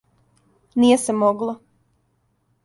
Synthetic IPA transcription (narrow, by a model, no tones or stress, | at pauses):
nijesemoɡlˠo